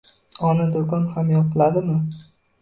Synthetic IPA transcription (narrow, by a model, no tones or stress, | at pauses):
ɒnad̪okʰɒnhamjɒpʰɪlad̪ɪmɪ